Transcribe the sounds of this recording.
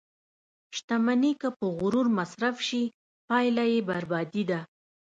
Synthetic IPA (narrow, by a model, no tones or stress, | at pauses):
ʃt̪amanikəpəɣʊɾuɾmasɾafʃi | pɑjlajebaɾbɑd̪id̪a